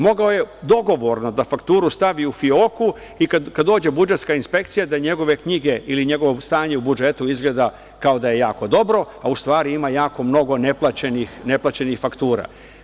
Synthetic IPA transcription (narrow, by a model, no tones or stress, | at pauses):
mo̞ɡaoje̞d̪o̞ɡo̞ʋo̞ɾno̞d̪afakt̪uːɾust̪aʋiufioku | ikakad̪ːoːd͡ʑe̞bud͡ʒe̞t̪skainspe̞kt̪sijad̪aɲe̞ɡo̞ʋe̞kɲiɡe̞ʔiliɲe̞ɡo̞ʋost̪aːɲeubud͡ʒe̞t̪uizɡle̞ːd̪a | kao̞d̪aje̞jaːko̞d̪o̞bɾo̞ | aust̪ʋaːɾiimajaːko̞mno̞ɡo̞ne̞plˠat͡ɕenixne̞plˠat͡ɕe̞nixfakt̪uːɾa̰